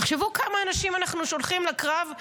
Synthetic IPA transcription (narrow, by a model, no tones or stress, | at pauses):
aχʃevukamaːnaʃimanaχnuʃo̞lχimlakʁav